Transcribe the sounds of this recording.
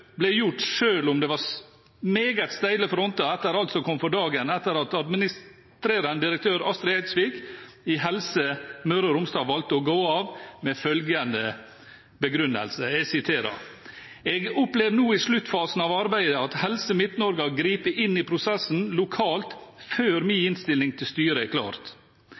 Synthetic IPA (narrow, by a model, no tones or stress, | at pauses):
blæjʊʈʂøːlʊmd̪ɛʋɑɾ | meːɡət̪st̪æɪləfɔɾɔnt̪ɑɛt̪ːəɾɑlt̪sɔkʰɔmːfɔɖɑːɡənɛt̪ːəɾɑt̪ɑd̪mɪnɪs | t̪ɾeːɾənəd̪ɪɾək̚t̪ʰøːɾɑst̪ɾɛæɪsʋɪkɪɦɛlsəmøɾɑɾʊmst̪ɑːʋɑlt̪əɔɡoːɑːʋmɛfœlɡənd̪ə | bəɡɾʉnːə̰lsəɛɡsɪt̪ʰeːɾɑ̰ɾ | ɛɡʊpleːʋnuːɪslʉt̪ːfɑːsn̩ɑːʋɑɾbæɪd̪əɑt̪hɛlsəmɪt̪nɔɾɡɑɡɾiːpəʔɪnːɪpʰɾʊsɛsn̩lʊkʰɑːlt̪føːɾmiːɪnst̪ɪlnɪŋt̪ʰɪlst̪yːɾəɛkʰlɑ̰ːɾt̪